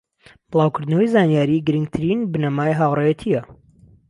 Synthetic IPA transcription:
b̥ɨlˠaːwkʰʊɾd̪nəwɐjzaːnijaːɾiɡɨɾɨŋɡt̪ʰɨɾinbɨnɐmaːjɦaːwrˤejɛt̪ʰijɐ

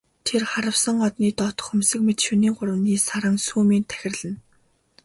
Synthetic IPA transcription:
t̪ʰerχaɾə̆wsə̆ŋɔt̪niːt̪ɔt̪ɞ̥̆χxɵmsɘ̆kmet̪ʃuniːŋɢʊɾə̆niːsaɾə̆ŋsuːmiːnt̪ʰæ̥xʲɪ̆rɮɘ̆n

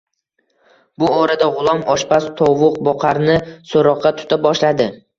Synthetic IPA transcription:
bʊɒɾad̪aʁʊlˠɒmɒʃbast̪ʰɒwʊq̚bɒqʰɑɾnɪsoɾɒqʰːɑt̪ʰʊ̥t̪ʰap̚bɒʃlad̪ɪ

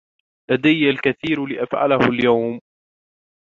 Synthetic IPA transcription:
lad̪ajːalkaθiːɾlɪʔa̰fʕa̰lahʊljawm

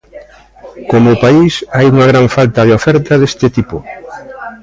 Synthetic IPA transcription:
komʊpaisajuŋaɣ̞ɾaɱfalt̪aðeofɛɾt̪aðest̪ɪt̪ipʊ

